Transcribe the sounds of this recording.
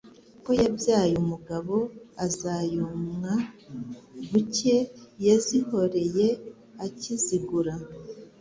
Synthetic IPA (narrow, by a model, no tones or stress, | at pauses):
ko̞jabjaːjumuɡaβo̞azajomŋa | βuce̞jeziho̞ɾe̞je̞ | aciziɡuɾa